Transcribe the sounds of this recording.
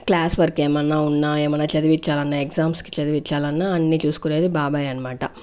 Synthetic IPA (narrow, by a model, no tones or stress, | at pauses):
klaːsʋɐɾkeːmɐnːɐunːaːemɐnɐt͡ʃɐd̪iʋit͡ʃːaːlɐnːɐekzaːmski̥t͡ʃɐd̪iʋit͡ʃːaːlɐnːaɐnːit͡ʃuːsu̥kune̞ːd̪ibaːbaːjɐnɐmaːʈɐ